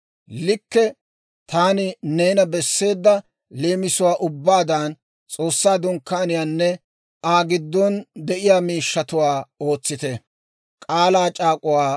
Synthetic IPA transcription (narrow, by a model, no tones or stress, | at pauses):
lɪkːɛ | t̪aːnɪne̞ːnɐbɛsːe̞ːd̪ːɐ | leːmɪsʊwaːʔʊbːaːd̪aːn | t͡sʼo̞ːsːaːd̪ʊŋkːaːnɪjaːnːɛ | aːɡɪd̪ːɔnd̪ɛʔɪjaːmiːʃːɐt̪ʊwaːo̞ːt͡sːɪt̪ɛ | kʼaːlaːt͡ʃʼaːkʼʊwaː